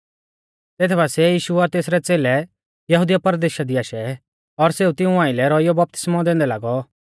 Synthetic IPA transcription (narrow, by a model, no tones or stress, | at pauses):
t̪eːt̪ʰɛbasɛjiːʃuɔɾt̪eːsɾɛt͡seːlɛ | jɐɦud̪ijapɐɾd̪eːʃad̪iaːʃɛ | ɔɾseːut̪ɪũãːɪlɛɾɔɪjɔbɐp̚t̪ɪ̥smɔ̃d̪ẽːnd̪ɛlaːɡɔ